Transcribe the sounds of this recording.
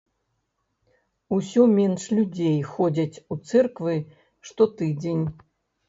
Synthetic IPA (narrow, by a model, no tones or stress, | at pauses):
usʲɔmʲɛnʂlʲud͡zʲejxɔd͡zʲɐt͡sʲut̪sɛrkvɨ | ʂt̪ɔt̪ɨd͡zʲenʲ